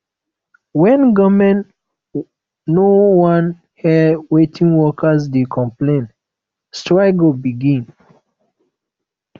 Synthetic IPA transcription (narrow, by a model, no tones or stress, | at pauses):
wɛ̃nɡamɛ̃n | nowãn | hɛdwetʰĩŋwɔkasdekʰɔ̃mplẽn | stɹaɪɡobiɡĩn